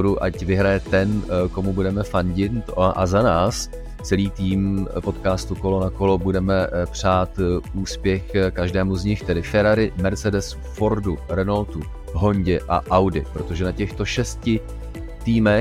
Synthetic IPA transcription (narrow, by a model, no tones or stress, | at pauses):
ɾuʔacvɪɦɾajɛt̪ɛnko̞mubudɛmɛfanɟɪnt̪ʔa̰zanaːs | t͡sɛliːt̪iːmpo̞t̪kaːst̪uko̞lo̞nako̞lo̞budɛmɛpr̝̥aːt̪ʔuːspjɛxkaʒdɛːmuzɲɪxt̪ɛdɪfɛɾaɾɪmɛɾt͡sɛdɛs | fo̞ɾduɾɛnalt̪u | ɦo̞ɲɟɛʔa̰ʔawdɪpɾo̞t̪oʒɛnacɛxt̪o̞ʃɛscɪ | t̪iːmɛ